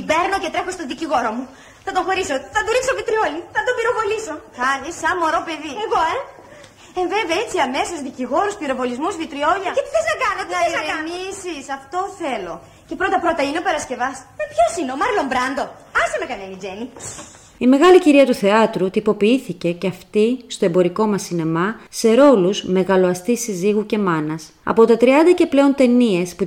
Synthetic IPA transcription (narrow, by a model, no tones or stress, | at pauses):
be̞ɾno̞ce̞t̪ɾe̞xo̞st̪oðiciɣo̞ɾomu | θɐt̪oxo̞ɾiso̞θɐt̪uɾiksovit̪ɾioliθɐd̪obiɾo̞vo̞liso̞kɐnisɐmo̞ɾo̞pe̞ðieɣoe | eɱveveet͡siɐme̞sozðiciɣo̞ɾuspiɾo̞vo̞lizmuzvit̪ɾio̞ʎɐcepθeznɐkɐnot̪eznɐkɐnisisɐft̪o̞θe̞lo̞ | ce̞pɾot̪ɐpɾot̪ɐineopɐɾɐsce̞vɐsmepçosineomɐɾlombɾɐnd̪o̞ | ɐsemekɐnenid͡ʒeni | ime̞ɣɐliciɾiɐt̪uθe̞ɐt̪ɾut̪ipo̞piiθice̞ceɐft̪ist̪o̞e̞bo̞ɾiko̞mɐsine̞mɐse̞ɾo̞luzme̞ɣɐlo̞ɐst̪isiziɣuce̞mɐnɐs | ɐ̰po̞t̪ɐt̪ɾiɐnd̪ɐce̞ple̞o̞nt̪e̞nie̞spu